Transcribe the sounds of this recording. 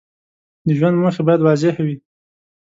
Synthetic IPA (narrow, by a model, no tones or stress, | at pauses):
d̪əʒwand̪məxebɑjad̪wɑzɪhawi